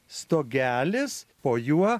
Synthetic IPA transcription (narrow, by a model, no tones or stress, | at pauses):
st̪oːɡʲæːlʲɪspoːjuɔ